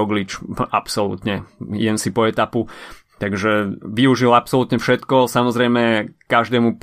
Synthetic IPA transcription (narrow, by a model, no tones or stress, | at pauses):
ɔɡlit͡ʃʔapsɔlṵt̪ɲɛjɛmsipɔɛt̪apu | t̪aɡʒɛʋiuʒilapsɔlut̪ɲɛfʃɛt̪kɔsamɔzɾɛjmɛkaʒd̪ɛːmup